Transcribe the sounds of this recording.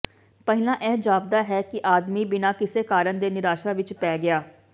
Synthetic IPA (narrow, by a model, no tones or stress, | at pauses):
pɛɦɪlãːʔɛːd͡ʒaːb̚d̪aːɦɛːkɪʔaːd̪miːbɪnãːkɪseːkaːɾənd̪eːnɪɾaːʃaːʋɪt͡ʃpɛːɡɪaː